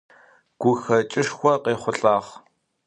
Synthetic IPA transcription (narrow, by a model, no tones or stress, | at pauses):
ɡ̥ʷʊxɐt͡ʃʼɪʂxʷɔqeːχʷʊɬʼaːʁ